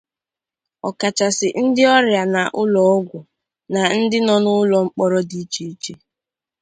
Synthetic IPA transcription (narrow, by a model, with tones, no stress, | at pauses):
ɔ˨ka˨t͡ʃa˨sɪ˨n̩˦dɪ˦ɔ˦ɾja˨na˨ʔʊ˦lɔ˨˦ɡʷʊ˨ | na˨n̩˦dɪ˦nɔ˦nʊ˦ʊ˦lɔ˨ŋ͡m̩˦k͡pɔ˦ɾɔ˦di˨˦t͡ʃe˦i˦t͡ʃe˦